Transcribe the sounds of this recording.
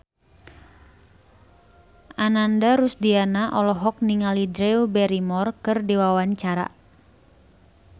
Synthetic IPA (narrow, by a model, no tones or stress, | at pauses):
ʔanandaɾusdianaʔɔlɔɦɔk̚niŋalidɾɛubɛɾimɔrkɨrdiwawaɲt͡ʃaɾa̰